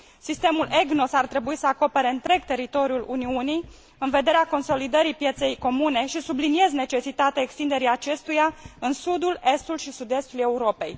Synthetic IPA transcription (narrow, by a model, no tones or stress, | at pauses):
sist̪e̞mule̞ɡno̞sart̪ɾe̞buisəako̞pe̞ɾe̞ɨnt̪ɾe̞ɡt̪e̞ɾit̪o̞ɾjulṵniunij | ɨnve̞d̪e̞ɾeako̞nso̞lid̪əɾipje̞t̪se̞jko̞mune̞ʃisublinie̞zne̞t͡ʃe̞sit̪at̪eaekst̪ind̪e̞ɾiat͡ʃe̞st̪ujaɨnsud̪ule̞st̪ulʃisud̪e̞st̪ulje̞uɾo̞pe̞̰j